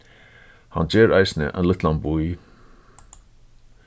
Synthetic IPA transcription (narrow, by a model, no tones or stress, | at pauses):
ha̰nd͡ʒeːɾaɪjsnə̰ʔa̰ɪnlɪt̪lanbuj